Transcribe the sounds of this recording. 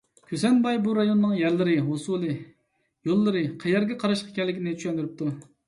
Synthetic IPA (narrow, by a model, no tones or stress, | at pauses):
kʲʰøsɛnbɑjbuɾɑjonːɨŋjæɾlɪɾɪɦosulˠɨ | jolˠːɨɾɨqʰɛjɛɾɡʲɛqʰɑɾɑʃqʰɑ̥kʲɛlːɪkʲinɪt͡ʃʰy̥ʃɛnd̪yɾyp̚t̪ʰu